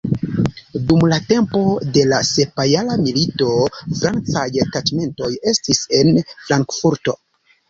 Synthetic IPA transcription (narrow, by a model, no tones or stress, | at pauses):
dumlate̞mpo̞de̞lase̞pajalamilito̞fɾant͡sajtat͡ʃme̞nto̞je̞stise̞nfɾaŋkfuɾto̞